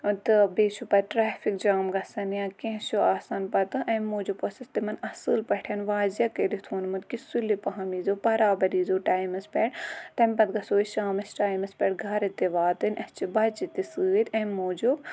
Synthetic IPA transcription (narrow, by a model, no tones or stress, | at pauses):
t̪ɨbeːt͡ʃʰupɐʈɾaːfʰik̚d͡ʒaːmɡɐsɐnjãːkẽɦʃoaːsaːnpɐt̪ɨʔɐmːoːd͡ʒuposɐst̪imɐnɐsɨːlpɐʈʰɐnʋaːzjɐkeɾit̪ʰuːnmut̪kisulipɐɦɐmiːzoːpɐɾaːbɐɾiːzoːʈaːjmɐspɛʈt̪ɐmʲpɐt̪̚ɡɐsoːiʃaːmɐsʈaːjmɐspʲɛʈɡʱɐɾɐt̪iʋaːt̪ɨnʲʔɐst͡ʃibɐt͡ʃit̪isɨːt̪ʲɐmːoːd͡ʒob